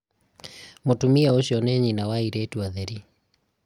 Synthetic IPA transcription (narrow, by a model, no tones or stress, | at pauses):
motumiaoʃɔnɛɲinawaiɾetuaðɛɾi